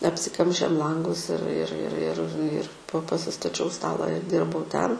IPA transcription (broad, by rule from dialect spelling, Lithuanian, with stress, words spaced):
ɐpʲsʲɪˈkɐmʲʃʲeːm ˈlˠɐŋɡʊs ɪr ɪr ɪr ɪr ɪr poː pɐsʲɪstɐˈt͡ʃʲɛʊ ˈstɑːlˠɐ ɪr ˈdʲɪrbɐʊ ˈtʲɛn